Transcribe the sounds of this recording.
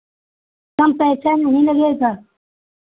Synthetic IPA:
kɐmpesenɐɦĩləɡeːɡaː

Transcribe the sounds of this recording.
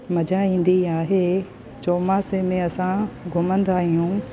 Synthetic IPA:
mɐd͡ʑaĩːn̆d̪iaːɦeː | t͡ɕoːmasemẽɐsãɡʱʊmə̃nd̪aːɦijũː

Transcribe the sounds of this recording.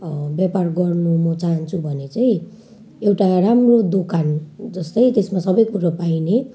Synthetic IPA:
bjaparɡʌrnumʌt͡saɦant͡sʰubʱʌnet͡saj̃ | ewʈaramrod̪okʰand͡zʌst̪ʌjt̪esmasʌbʌjkuɾapajne

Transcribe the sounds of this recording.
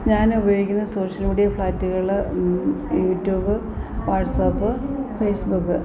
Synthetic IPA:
ɲaːnubɐjoikʲːunːɐso̞ːʂɐlmiːɽijɐfɭaːtːuɣɐɭiɭe | juːtːjuːbɨ | ʋaːʈsɐpːɨfeːsbukːɨ

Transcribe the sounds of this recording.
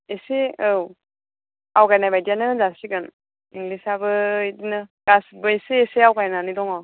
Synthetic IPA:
eseɯw | awkajnajbajdijanɯzasiɡɯn | iŋɡlisabɯdinɯɡ̥asbɯeseːseawkajnanidɔŋɔ

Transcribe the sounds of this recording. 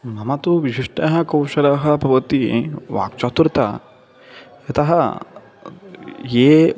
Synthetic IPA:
mɐmɐt̪uʋiʃiʂʈɐɦɐkɐwʃɐɾɐɦɐ̆pɐʋɐt̪iʋa̰ːkt͡ʃat̪uɾt̪ɐ̰ | jɐt̪ɐɦɐ | jeː

